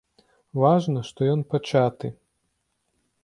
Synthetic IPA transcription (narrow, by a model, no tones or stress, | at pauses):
vaʐnɐʂt̪ɔjɔnpɐt͡ʃat̪ɨ